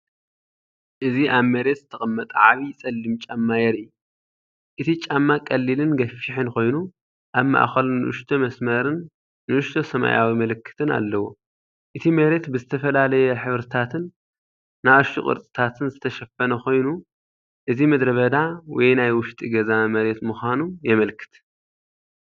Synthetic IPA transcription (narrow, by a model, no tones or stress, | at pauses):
ʔɨziʔaβmɐɾe̞t̪zɨt̪ʰɐχʼɐmːɐt̪ʼʕaβit͡sʼɐlːɨmt͡ʃʼamːajɛɾɨjːu | ʔɨt̪ʰit͡ʃʼamːakʼɐlːilɨnɡɐfiħɨnko̞jnu | ʔaβma̰ʔxɐlnɨʔʊʃt̪ʰomɐsmɐɾɨnː | ɨʔʊʃt̪ʰosɐma̰jawimɐlɨkʰːɨ̥t̪ʰɨna̰lːɐwo̰ | ʔɨt̪ʰimɐɾe̞t̪bɨzɨt̪ʰɐfɐlalɐjɛħɨβɾɨt̪ʰat̪ʰɨnː | ajɐʃʼukʼɨ̰ɾt̪ʼɨt̪ʰat̪ʰɨnzɨt̪ʰɐʃɐfɐnɐxo̞jnu | ʔɨzimɐd̪ɾɐβɐd̪awɔjnajwʊʃt̪ʼiɡɐzamɐɾe̞t̪mɨxʷanujɛmɐlkʰɨ̥t̪